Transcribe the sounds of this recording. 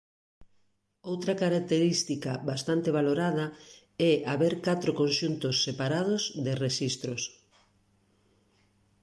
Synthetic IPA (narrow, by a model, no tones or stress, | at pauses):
owt̪ɾɐkaɾak̚t̪eɾist̪ikɐβast̪ant̪eβ̞aloɾað̞ɐ | ɛaβeɾkat̪ɾokonʃunt̪ʊsːepaɾað̞ʊzðɪreʃist̪ɾʊs